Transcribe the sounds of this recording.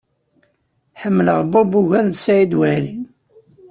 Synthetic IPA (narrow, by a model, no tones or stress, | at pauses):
ħəmːləʁbubuʝænsæjid̪wælin